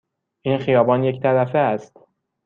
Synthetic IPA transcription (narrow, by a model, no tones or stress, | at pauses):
ʔiːnxijɒːbɒːnject̪ʰæɾæfeæst̪